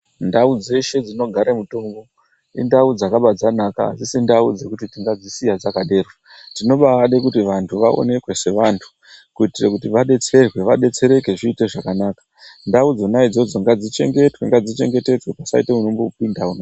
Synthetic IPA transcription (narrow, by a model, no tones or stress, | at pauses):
ndaud͡ze̞ʃe̞d͡zino̞ɡʱaɾamuto̞ːmɡo̞ | indaud͡zakaɓad͡zanaka̰ɦa̰zisindaud͡ze̞kutitiŋɡad͡zisijad͡zakaɗe̞ːrwa | tino̞ɓaaɗekutiʋantʰuʋao̞̰ne̞kwe̞se̞ʋantʰu̥ | kuitirekutiʋaɗe̞t͡se̞rwe̞ʋaɗe̞t͡se̞ɾe̞ke̞ʐiːte̞ʐakanaːkḁ | ndaud͡zo̞naid͡zo̞d͡zo̞ŋɡad͡zit͡ʃe̞̰ŋɡe̞twe̞ŋɡad͡zit͡ʃe̞ŋɡe̞te̞d͡zwepasa̰iteunomboupindauna